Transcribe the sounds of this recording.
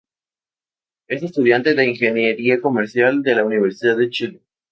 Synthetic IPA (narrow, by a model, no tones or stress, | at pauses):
e̞se̞st̪uð̞jant̪e̞ðe̞iŋxe̞njeɾiako̞meɾsjald̪e̞launiβ̞e̞ɾsiðaðet͡ʃile